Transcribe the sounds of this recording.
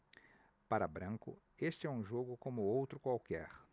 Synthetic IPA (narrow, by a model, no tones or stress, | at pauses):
paɾɐbɾɐ̃ŋkʊ̰ | est͡ʃɪɛũʒoɡʊkõmʊowt̪ɾʊkwawkɛ̰ɾ